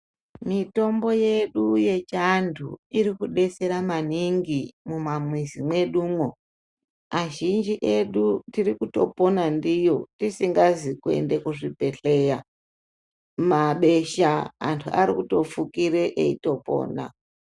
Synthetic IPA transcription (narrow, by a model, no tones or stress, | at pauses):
mito̞mbo̞je̞ɗuje̞t͡ʃandʰṵiɾikuɗe̞se̞ɾamaniŋɡimumamwizimwe̞ɗuːmwo | aʒind͡ʒiʔe̞ɗutirikuto̞̰po̞nandijo̞tisiŋɡazikue̞̰nde̞kuʐipe̞ɬe̞ja | maɓe̞ʃa̰ːntʰua̰ɾikuto̞fukiɾe̞ʔeito̞po̞̰ːna̰